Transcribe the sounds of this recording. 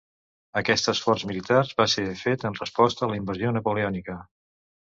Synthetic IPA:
əkɛst̪əsfɔrzmilit̪arβasefet̪ənrəspɔst̪əːləimbəzionəpuleɔnikə

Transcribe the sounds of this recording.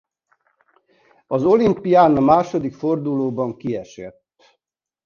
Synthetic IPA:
ɒzo̞limpijaːnɒmaːʃo̞d̪ikfo̞rd̪uloːbɒŋkiɛʃɛ̰t̪ː

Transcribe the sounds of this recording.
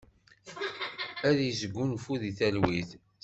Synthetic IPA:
æðjizəɡːunfuðiθælwiθ

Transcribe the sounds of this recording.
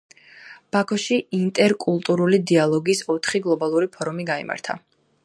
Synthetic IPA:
b̥akʰɔʃiint̪ʼɛɾkʼulˠt̪ʼuɾulid̪ialˠɔɡisɔt̪ʰχiɡlˠɔbalˠuɾipʰɔɾumiɡaḭma̰ɾt̪ʰa̰

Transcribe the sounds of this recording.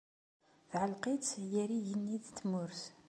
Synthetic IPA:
θʕəlqit͡sjæɾijənːid̪t̪ːmʊɾθ

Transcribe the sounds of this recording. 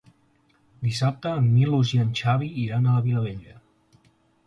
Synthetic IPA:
d̪isap̚t̪əːmːiluʒiənʲt͡ʃaβ̞iːɾanələβiləβeʎə

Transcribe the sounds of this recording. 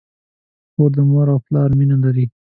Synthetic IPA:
xoɾd̪əmaɾawplɑɾminalaɾi

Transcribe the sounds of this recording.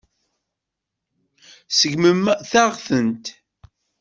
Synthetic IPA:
səʝməmθaʁθənt̪

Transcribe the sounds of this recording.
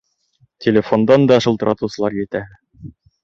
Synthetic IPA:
tʲʰelʲefo̞nd̪ɑnd̪ɒʃɤ̆lˠt̪ɤ̆ɾʔɑ̰t̪usɤ̆lˠɑɾjɘ̆t̪æ

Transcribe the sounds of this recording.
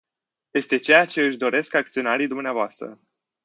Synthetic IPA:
je̞st̪e̞t͡ʃe̞jat͡ʃe̞ɨʃd̪o̞ɾe̞skak̚t̪sio̞naɾijd̪umneavoast̪ɾə̰

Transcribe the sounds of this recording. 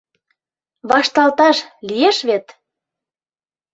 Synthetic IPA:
βɑʃt̪ɑlt̪ɑʃlijeʃβet̪

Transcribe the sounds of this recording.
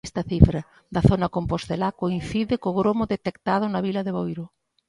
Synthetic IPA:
st̪ɐθifɾɐ | ðɐθonɐkompost̪elakoin̟θiðɪkoɣɾomʊðet̪ekt̪að̞ʊnɐβilɐðeβojɾʊ

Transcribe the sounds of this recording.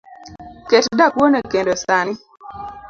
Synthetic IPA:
ketdakwonekendosanɪ

